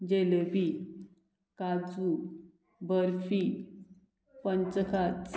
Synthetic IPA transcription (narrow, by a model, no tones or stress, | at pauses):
d͡ʑelepi | kat͡su | bəɾfi | pənt͡səkʰat͡s